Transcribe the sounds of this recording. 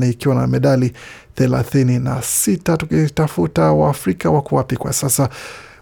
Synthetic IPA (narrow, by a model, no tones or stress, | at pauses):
nɛikiwana̰mɛɗali | θɛla̰θininasitatukitafutawa̰ːfɾikawakuwapikwa̰sasa